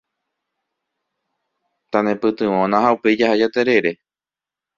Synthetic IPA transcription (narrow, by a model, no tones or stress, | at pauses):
t̪anẽpɨt̪ɨ̃õnãɦaupe̞jd͡ʒahad͡ʒat̪eɾe̞ɾe̞